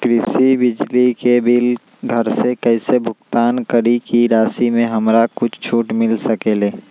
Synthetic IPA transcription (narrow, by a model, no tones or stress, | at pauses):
kɾɪsibɪd͡ʒlikebil | ɡʱəɾsekəɪsebʱʊkt̪aːnkəɾikiɾaːsimẽɦəmɾakʊt͡ʃʰt͡ʃʰuːʈmɪlsəkele